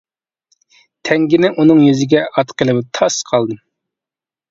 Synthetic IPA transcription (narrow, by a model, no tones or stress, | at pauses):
t̪ʰɛŋɡʲinɪʔunɨŋjyzɪɡʲɛʔɑt̪qʰəlˠɨbt̪ʰɑsqʰɑlˠd̪ɨ